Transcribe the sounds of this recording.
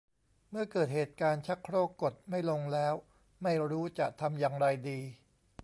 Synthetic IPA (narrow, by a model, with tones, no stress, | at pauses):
mɯ˥˩ɐkɤː˨˩t̪̚heː˨˩t̪̚kaː˧nt͡ɕʰa˦˥kʰɾoː˥˩kːo˨˩t̪̚ma˥˩jlo˧ŋlɛː˦˥w | ma˥˩jɾuː˦˥t͡ɕa˨˩t̪ʰa˧mjaː˧ŋɾa˧jdiː˧